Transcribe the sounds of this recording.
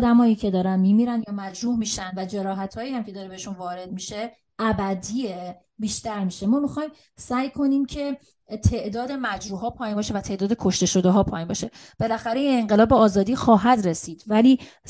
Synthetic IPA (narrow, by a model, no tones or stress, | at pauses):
d̪æmɒːjiːcʰe̞d̪ɒːɾænmiːmiɾænjɒːmæd͡ʒɾuːhmiʃænd̪væd͡ʒeɾɒːɦæt̪ʰhɒːjiːæmcʰeɒːɾe̞beeʃunvɒːɾe̞d̪̚miʃe̞ | ʔæbæd̪ie | biːʃt̪æɾmiːʃe̞mɒːmixɒːjm | sæːjkʰo̞niːmcʰe̞ | t̪ʰe̞ʔd̪ɒːd̪e̞mæd͡ʒɾuːɦɒːpʰɒːjimbɒːʃe̞væt̪ʰe̞ʔd̪ɒːd̪e̞kʰo̞ʃt̪e̞ʃo̞d̪eɦɒːpʰɒːjimbɒʃe̞ | b̥e̞læxæɾeineŋɢelɒːbeɒːzɒːd̪iːxɒːɦæd̪ɾe̞siːd̪̥væliː